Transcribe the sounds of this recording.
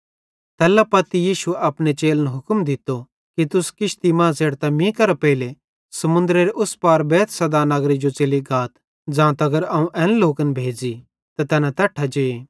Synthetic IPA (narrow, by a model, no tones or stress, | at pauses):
t̪ɛːlapɐt̪ijiːʃueɐpnet͡ʃeːlnɛɦʊkmd̪ɪt̪ːo | kit̪ʊskɪʃt̪imãːseːɽt̪amĩkɐɾapɛile | sɐmʊ̃nd̪ɾeɾeʔʊspaːɾbɛːt̪ʰsɐd̪anɐɡɾid͡ʒot͡ʃeːliɡaːt̪ | d͡zãːt̪ɐɡəɾɐːũʔɛ̃ːnloːkənbʱeːd͡ʒi | t̪at̪ɛːnãt̪ɐʈʰːad͡ʒeːe